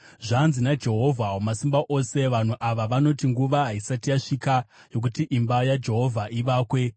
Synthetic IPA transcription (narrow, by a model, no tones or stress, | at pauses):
ʐanzinad͡ʒe̞ɦo̞vʱaomasimbaʔo̞se̞ʋan̤uʔaʋaʋano̞tiŋɡuʋaɦaisatijaʂika | jo̞k̬utiʔimbajad͡ʒe̞ɦo̞vʱaʔiʋaːkwe̞